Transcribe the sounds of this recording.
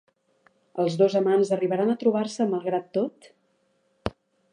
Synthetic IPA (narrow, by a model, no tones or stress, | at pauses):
əlˠzðozəmanzəriβəɾanət̪ɾuβ̞arsəməlˠɣɾat̪ːot̪